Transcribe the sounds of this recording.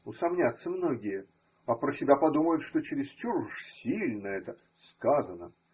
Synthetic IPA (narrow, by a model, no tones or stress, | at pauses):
ʊsɐmnʲat̪səmno̞ɡʲɪjə | ɐpɾəsʲɪbʲapɐd̪uməjʊt̪ʂt̪o̞t͡ɕɪɾʲɪst͡ɕurʂsʲilʲnəɛt̪ə | skazənə